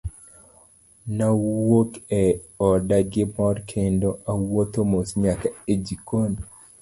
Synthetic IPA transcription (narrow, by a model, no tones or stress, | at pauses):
nawokɛɔdaɡɪmɔrkʰendoawot̪omosɲakaed͡ʒikon